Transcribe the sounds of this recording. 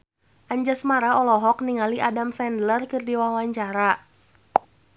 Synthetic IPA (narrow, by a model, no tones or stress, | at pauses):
ʔaɲd͡ʒasmaɾaɔlɔɦɔkniŋaliʔadamsɛndlərkɨrdiwawaɲt͡ʃaɾa